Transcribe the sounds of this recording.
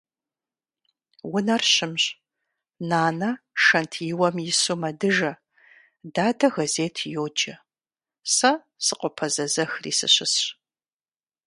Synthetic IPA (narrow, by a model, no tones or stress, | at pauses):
wʊnɐrɕɪmɕ | naːnɐʃɐntʰjɪwɐmjɪsomɐdɨʒɐ | daːdɐɣɐzeːtʰjoːd͡ʒɐ | sɐ | sɨqʷʼɔpʰɐzɐzɐxrḭːsɨ̰ɕɪsɕ